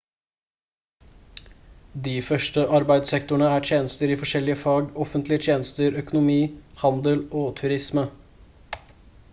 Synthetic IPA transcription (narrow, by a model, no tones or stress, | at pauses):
d̪iːfœʂʈəʔɑɾbæɪd̪sɛk̚t̪ʊɳəæːʈʰjeːnəst̪əɾiːfɔʂɛlɪəfɑɡɔfənt̪lɪət̪ʰjeːnəst̪əɾœkʊnʊmiːhɑnd̪əloːt̪ʰʉɾɪsmə